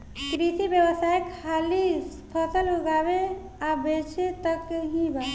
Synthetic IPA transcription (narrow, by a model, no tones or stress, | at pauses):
kɾit̪ibjəwəsajkʰːaːlispʰəsəlɦoɡaːbe | abet͡ʃʰet̪əkɦĩba